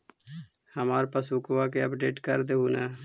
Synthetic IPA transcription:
həmaːɾpasʊkʋaːkeəpɖeːʈkəɾd̪eːɦuːnɛː

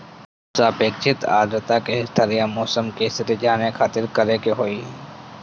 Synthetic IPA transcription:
saːpeːkt͡ʃʰɪt̪a̰ːd̪ɾət̪akeɪst̪ʰəɾijamɔːsəmkeːsɾed͡ʒaːnekʰaːt̪ɪɾkəɾekeɦoːiː

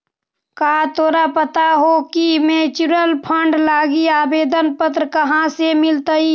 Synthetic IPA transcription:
kaːt̪ʰoːɾapət̪aɦokimẽːt͡ʃʊɾəlpʰəɳɖlaːɡiaːbeːd̪ənpət̪ɾəkəɦãsemɪlt̪əi

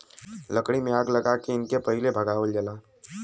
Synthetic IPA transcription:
ləkɽ̃imẽaːɡlɐɡakeɪnkepɐɦɪlebʱɐɡaːʋəld͡ʒɐlaː

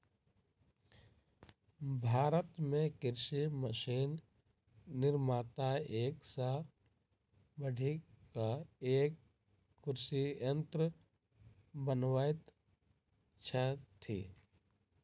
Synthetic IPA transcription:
bʱaːɾət̪mẽkɪɾsiməʃiːnː | ɪɾmaːt̪aeːksa | bəɽʱikaeːkː | ʊɾsiə̃nt̪ɾə | bənʋaːet̪ | t͡ʃʰət̪ʰḭː

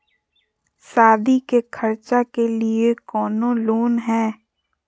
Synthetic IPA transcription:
saːd̪ikekʰɐɾt͡ʃakeliekɔːnõloːnɦɛ̃ː

